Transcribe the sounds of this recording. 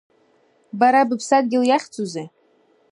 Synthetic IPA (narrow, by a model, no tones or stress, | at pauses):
baɾabɨpʰsad̚ɡʲɪljaχʲt͡sʰʼuze